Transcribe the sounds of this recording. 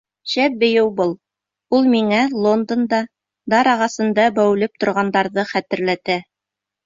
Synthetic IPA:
ʃæp̚bɘ̆jɘwbɤlˠ | ulˠmiŋælˠond̪ond̪ɑ | d̪ɑɾɑʁɑsɤ̆nd̪ɑbæw̆lɘp̚t̪ŏɾʁɑnd̪ɑɾðɤχæt̪ɘ̆ɾlæt̪æ

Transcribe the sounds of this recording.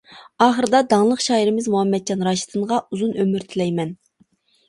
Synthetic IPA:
ɑːχəɾɨd̪ɑd̪ɑŋlˠəqʃɑːiɾɪmɪzmuhɑmːɛt̪̚t͡ʃʰɑnɾɑʃi̥t̪ʰɨɴʁɑuzunømyɾt̪ʰɪlɛjmɛn

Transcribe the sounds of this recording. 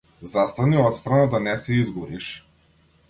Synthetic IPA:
zast̪aniɔt̪st̪ɾanad̪anɛsɛizɡɔɾiʃ

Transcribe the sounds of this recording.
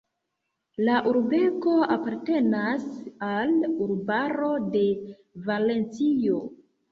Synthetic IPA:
laʔuɾbe̞ko̞apaɾte̞nasaluɾbaɾo̞de̞ | vale̞nt͡sijo̞

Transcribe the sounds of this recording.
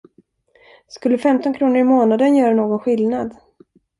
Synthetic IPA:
skɵlːəfɛmt̪ɔnkʰɾuːnəɾɪmoːnad̪ənjœːɾanoːɡɔnɧɪlnad̪

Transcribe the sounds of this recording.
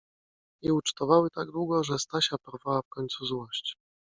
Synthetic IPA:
ɲɛut͡ʂt̪ɔvawɘt̪aɡd̪wuɡɔʐɛst̪aɕapɔɾvawafkɔɲʲt̪suzwɔɕt͡ɕ

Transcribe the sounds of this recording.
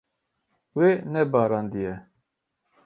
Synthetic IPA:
weːnɛbɑːɾɑːnd̪ijɛ

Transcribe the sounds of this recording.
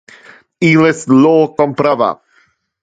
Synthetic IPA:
iːlɛsloːkɔmpɾava̰

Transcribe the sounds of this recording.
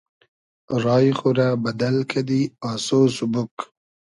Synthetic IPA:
ɾɑːjxuɾabad̪alkʰad̪iɑːsosubʊk

